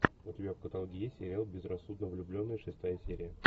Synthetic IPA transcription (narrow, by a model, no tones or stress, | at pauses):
ʊtʲɪbʲafkət̪ɐlˠɡʲɪjesʲeɾʲɪalˠbʲɪzrɐsːud̪nəvlʲʊblʲo̞nːəjəʂɨst̪ajəsʲeɾʲɪjə